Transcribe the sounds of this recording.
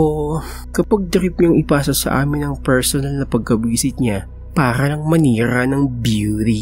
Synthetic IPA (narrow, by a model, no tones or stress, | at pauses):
ʔo | kɐpɐɡ̚d̪ɐɾɪp̚ɲɐŋɪpaːsosɐ̰ʔa̰ːmɪnɐŋpɛɹsonɐlnɐpɐɡ̚kɐbiːsɪt̪̚ɲa | paːɾɐnɐŋmɐniːɾɐnɐŋbjuuːt̪i